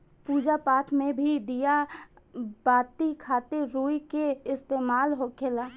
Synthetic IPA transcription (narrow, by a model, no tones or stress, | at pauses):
puːd͡ʒapaːt̪ʰmẽbʱid̪ija | baːt̪ikʰaːt̪eɾuikeɪst̪eːmaːlɦokʰela